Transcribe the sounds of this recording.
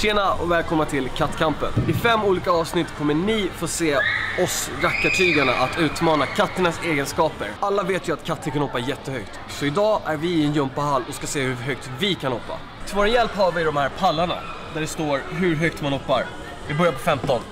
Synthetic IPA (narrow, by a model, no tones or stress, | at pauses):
seːnaɔ̰vɛːlkʰɔmnat̪ʰɪlkʰat̪ːkʰampə̰nɪfɛmːuːliːkaɑːvsnɪt̪ːkʰɔmːəɳɪfoːseːɔsɾakːaʈʰyːɡaɳa̰ʔat̪ʰʉ̟ːt̪mɑːnakʰat̪ːəɳaseːɡənskɑːpəɾalːaveːt̪jɵat̪kʰat̪ʰːəɾkʰanhɔːpːajɛt̪ːəhœkt̪ | sɔɪd̪ɑːʔæɾvɪːɛnjɵmpahalːɔskaseːhɵɦœkt̪vɪkʰanhɔːpːa̰ | t̪ʰvoːɾjɛlphaɾvɪd̪ɔmhæːɾpʰalːaɳa̰ | d̪æɖɛst̪oːɾɦɵɾɦœkt̪manhɔpːaɾ | vɪbœɾjapʰɔfɛmt̪ɔn